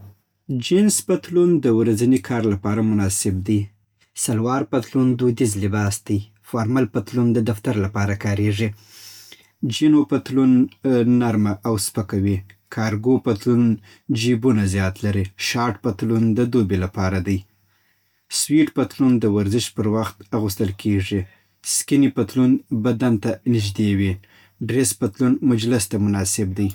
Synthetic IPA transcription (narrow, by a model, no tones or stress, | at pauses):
d͡ʒinspat̪lund̪əwɾazənikʰɑɾlapɑɾamʊnɑsɪb̚d̪i | salwɑɾpat̪lund̪ud̪izlɪbɑsd̪̥ij | fɑɾmalpat̪lund̪əd̪aft̪aɾlapɑɾakɑɾeʐi | d͡ʒinopat̪lunːaɾmaʔːwspəkawikʰɑɾɡopat̪lun | d͡ʒibunazjɑt̪laɾiʃɑɾʈpat̪lund̪əd̪obelapɑɾad̪aj | swiʈpat̪lund̪əwaɾzɪʃpəɾwaxt̪aɣust̪əlkʰeʐi | skɪnipat̪lunbad̪ant̪anɪʒd̪ewi | ɖɾespat̪lunmʊd͡ʒlɪst̪amʊnɑsɪb̚d̪aj